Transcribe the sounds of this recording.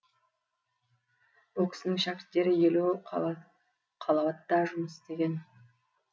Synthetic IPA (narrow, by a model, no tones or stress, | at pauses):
wolˠkʲɪ̥sɪnɪŋʃækʲɪ̥t̪ːe̞ɾɪjelu | qʰɑlˠɑwɑt̪̚d̪ɑʒʊməst̪e̞ɡʲe̞n